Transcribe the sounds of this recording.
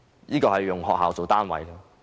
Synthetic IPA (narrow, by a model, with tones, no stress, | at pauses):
jiː˥kɔː˧hɐ˨jjʊ˨ŋɦɔ̰ː˨k̚ɦaː˨wt͡so˨wt̪aː˥nwɐ̰˨˧jkə˧